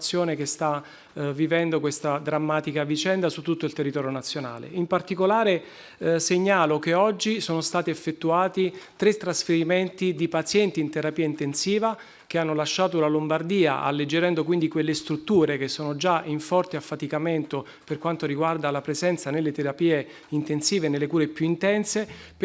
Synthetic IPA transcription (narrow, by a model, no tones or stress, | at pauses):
t̪sːjoːnekest̪a | vivɛnd̪okwest̪ad̪ɾamːaːt̪ikavit͡ʃɛnd̪asut̪ːut̪ːoilt̪erːit̪ɔːɾjonat̪sjona̰ːlḛimpart̪ikolaːɾe | seɲːaːlokeɔd͡ʒːisoːnost̪aːt̪iefːet̪ːuaːt̪it̪ɾet̪ːɾasfeɾiment̪id̪ipat̪sjɛnt̪iːnt̪eɾapiːaint̪ensiːva | k̟eanːolaʃːaːt̪oulalombard̪iːa̰ʔa̰lːed͡ʒːeɾɛnd̪okwind̪ikwelːest̪ɾut̪ːuːɾek̟esːoːnod͡ʒaiɱfɔrt̪eafːat̪ikament̪o | perkwant̪oɾiɡward̪alapɾezɛnt̪sanelːet̪eɾapiːe | int̪ensiːvenelːekuːɾepjuint̪ɛnse